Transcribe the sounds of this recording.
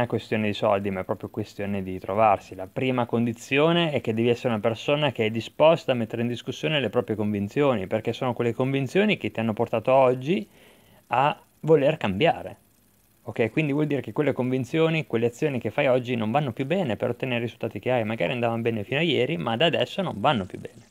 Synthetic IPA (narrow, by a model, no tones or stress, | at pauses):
akwest̪joːned̪isɔ̰ld̪imaɛpːɾɔːpɾjokwest̪joːned̪it̪ɾovarsilapɾiːmakond̪it̪sjoːneɛk̟ːed̪ːɛːviɛsːeɾeunapersoːnakeɛd̪ːispɔst̪aːmːet̪ːeɾeind̪iskusːjoːnelepɾɔːpɾjekoɱvint̪sjoːniperkesːoːnokwelːekoɱvint̪sjoːnik̟et̪ːianːoport̪aːt̪oɔd͡ʒːi | a | volerkambja̰ːɾḛ | okːɛjkwind̪ivwɔld̪iːɾekekwelːekoɱvint̪sjoːnikwelːeat̪sːjoːnikefːajɔd͡ʒːinoɱvanːopjubːɛːnepeɾot̪ːeneɾerizult̪aːt̪ik̟jaɾimaɡaːɾiand̪aːvanobɛːnefiːnoajɛːɾimad̪ad̪ɛsːonoɱvanːopjubːɛːne